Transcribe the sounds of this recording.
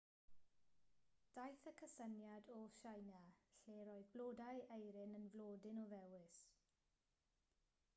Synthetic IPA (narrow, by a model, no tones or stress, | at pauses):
d̥ajθəkʰəsənjadɔʃajnaɬeːɾɔɨðbloːdajʔejɾɪnənvlˠoːdɪnɔvɛwɪs